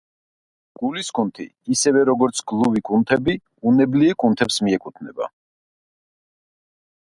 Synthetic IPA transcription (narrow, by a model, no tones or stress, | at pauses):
ɡ̥uliskʰunt̪ʰḭːsɛvɛɾɔɡɔɾt̪sʰɡlˠuvikʰʼunt̪ʰɛbi | unɛbliɛkʼunt̪ʰɛpsmiɛkʼut̪ʰnɛba̰